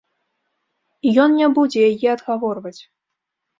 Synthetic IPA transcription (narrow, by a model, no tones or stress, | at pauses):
jɔnnʲɛbud͡zʲɛjajɛad̪ɣavɔrvɐt͡sʲ